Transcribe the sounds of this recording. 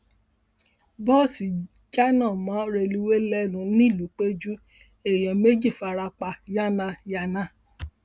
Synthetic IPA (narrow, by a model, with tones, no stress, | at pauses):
bɔ˦˨si˨ | d͡ʒa˦nɔ̃˦˨mãː˨˦ɾe˧li˧we˦lɛ˦nũ˨˦nĩ˦˨lo˨˦k͡pe˦d͡ʒu˦ | e˨jɔ̃˨me˦d͡ʒi˦˨fa˧ɾa˧k͡pa˧ja˦nã˧ja˧nã˦˨